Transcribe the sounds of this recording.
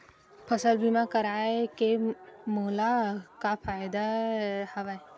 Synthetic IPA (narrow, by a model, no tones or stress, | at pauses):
pʰəsəlbʱimakəɾaːekemoːlakafaːjd̪ahɐʋae